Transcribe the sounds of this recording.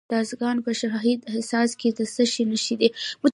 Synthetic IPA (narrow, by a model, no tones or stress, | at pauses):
t̪ɑzɡɑnpəʃaɦid̪ɪhsɑsked̪əsəʃinəʃid̪emʊ